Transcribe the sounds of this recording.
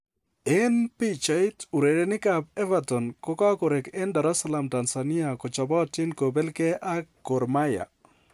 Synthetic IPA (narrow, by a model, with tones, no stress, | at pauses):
ɛ˦npi˦t͡ʃa˨i˦tu˨ɾe˨ɾe˦nɪ˦ka˨pɛ˦vatɔ˨nkɔ˦kɔ˦ko˨ɾe˨kɛ˦nda˨ɾa˦sa˦la˨mta˨nsa˨ni˦a˨kɔ˨t͡ʃɔ˨bɔ˦tɪ˦nko˨be˦lke˦ʔa˦kːo˨ɾma˦ja̰˨